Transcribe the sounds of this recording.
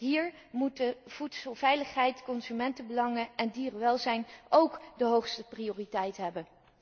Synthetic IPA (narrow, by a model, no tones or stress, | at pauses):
ɦiːɹ | mut̚dəv̥utsəlˠv̥ɛjləχɦɛjtkɔnzymɛntəbəlɑŋəʔɛndiːrəʋɛlˠzɛjnʔowkdəɦowχstəprioːritɛjtɦɛbən